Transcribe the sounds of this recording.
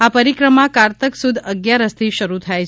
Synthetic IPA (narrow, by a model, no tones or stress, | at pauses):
apəɾikɾəmakaɾt̪əksud̪ʱəɡjaɾəst̪ʰiʃəɾut̪ʰajt͡ʃʰ